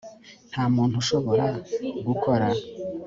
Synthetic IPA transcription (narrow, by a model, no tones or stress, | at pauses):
n̥haːmuːnhuʃo̞βo̞ɾakuɡukʰoɾa